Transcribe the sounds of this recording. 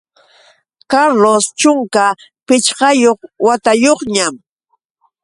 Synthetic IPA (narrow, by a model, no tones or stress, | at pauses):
kaɾlost͡ʃʊŋka | pɪt͡ʃɢɑjoχwat̪ajoχɲam